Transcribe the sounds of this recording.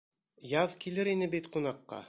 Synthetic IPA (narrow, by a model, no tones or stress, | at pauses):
jɑðkilɘɾinɘbit̪qunɑqːɑ̰